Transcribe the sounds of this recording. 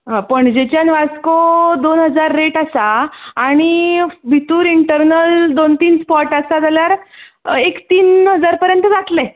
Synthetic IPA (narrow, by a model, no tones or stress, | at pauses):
ɦãpəɳd͡ʑet͡ɕjanʋaskod̪onɦəd͡zaɾːeʈasaːɽ̃ibʱit̪uːɾiɳʈəɾnəld̪ont̪iːnspɔʈasad͡zaljaɾ | ekt̪iːnɦəd͡zaɾpəɾjənt̪əd͡zat̪lɛ